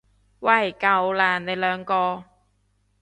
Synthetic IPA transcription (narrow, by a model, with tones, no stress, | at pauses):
wɐ˨˩jkɐ˨˧wlaː˨˩nne˨˧jlœː˨˧ŋkɔː˧